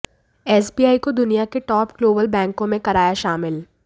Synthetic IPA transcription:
ɛːsbiːaːikod̪ʊnijakeʈɔːpɡloːbəlbɛ̃ːŋkõmẽkɐɾaːjaʃaːmɪl

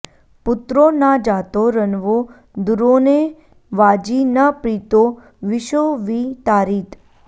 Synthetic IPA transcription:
pʊt̪ɾonad͡ʒat̪oɾənʋo | d̪uɾone | ʋad͡ʒinəpɾit̪o | ʋɪʃoʋit̪aɾit̪

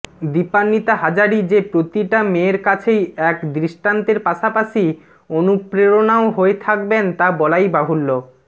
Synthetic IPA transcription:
d̪ipanːit̪aɦad͡ʑaɾid͡ʑepɾot̪iʈameːɾkat͡ɕʰejɛkd̪ɾiʃʈant̪eɾpaʃapaʃi | onupɾeɾonaoɦoet̪ʰak̚bent̪abɔlajbaɦulːo

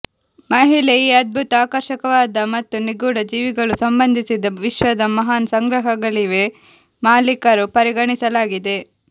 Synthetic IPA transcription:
mɐɦilejiɐd̪̚bʱut̪aːkɐɾʃɐkɐʋaːd̪ɐmɐt̪ːuniɡuːɽɐd͡ʒiːʋiɡɐɭusɐmbɐnd̪ʱisid̪ɐʋiʃʋɐd̪ɐmɐɦaːnsɐŋɡɾɐɦɐɡɐliʋe | maːlikɐɾupɐɾiɡɐɳisɐlaːɡid̪e̞

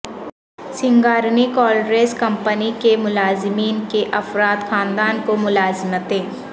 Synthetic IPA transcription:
sɪ̃ŋɡaːɾnikɔːlɾeːskɐ̃mpənikemʊlaːzɪmiːnkeʔɐfɾaːt̪xʰaːnd̪aːnkomʊlaːzmət̪ɦẽː

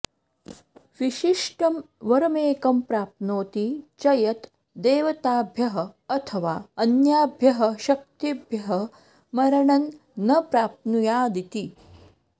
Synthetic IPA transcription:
ʋiʃiʂʈɐmʋɐɾɐmeːkɐmpɾaːp̚noːt̪it͡ʃɐjɐt̪ | d̪eːʋɐt̪aːbʱjɐɦɐɐt̪ʰəʋaːɐnjaːbʱjɐɦɐ̆ʃɐk̚t̪ibʱjɐɦɐ | mɐɾɐɳɐnː | ɐpɾaːp̚nujaːd̪it̪i

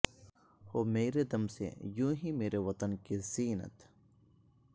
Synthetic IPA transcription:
hoːmeːɾed̪ɐmsḛjũːɦimeːɾeʋɐt̪ənkeziːnə̰t̪

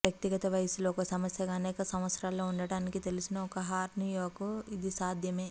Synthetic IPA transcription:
ʋjɐk̚t̪iɡɐt̪ɐʋɐjɐsuloːkɐsɐmɐsjɐɡɐːnɛːkɐsɐmʋɐt̪sɾaːlːoːuɳɖɐɽaːnikit̪e̞lisinɐɔkɐɦaːɾnijoːɡɐid̪isaːd̪ʱjɐme̞ː

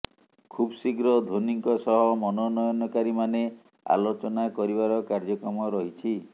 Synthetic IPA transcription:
kʰubsiɡɾɔd̪ʱoniŋkɔsɔɦɔmɔnɔnɔjɔnɔkaɾimane | a̰lot͡ʃɔnakɔɾibaɾɔkaɾd͡ʒɔkɾɔmɔɾɔɦit͡ʃʰi

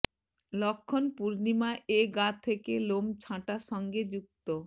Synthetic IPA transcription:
lɔkʰːonpuɾnimaʔeɡat̪ʰekelomt͡ɕʰãʈaʃɔŋɡed͡ʑuk̚t̪o

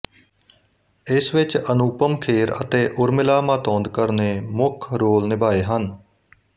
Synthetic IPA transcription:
ɪsʋɪt͡ʃənuːpəmkʰeːɾə̰t̪eːʔʊɾmɪlaːmaːt̪ɔ̃ːnd̪kəɾneːmʊkʰɾoːlnɪbaːeːɦən

